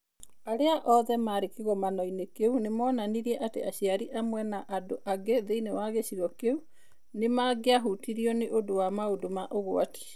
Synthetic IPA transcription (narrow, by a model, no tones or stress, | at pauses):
aɾeaʔɔðɛmaɾekeɣɔmanɔinekeunemɔnaniɾiɛʔatḛaɕiaɾiʔamwɛnaʔadoʔaɡeðeinewaɣeɕiɾɔkeu | nemaɡeaɦutiɾiɔneʔodowamaodomaʔoɣo̰a̰ti̥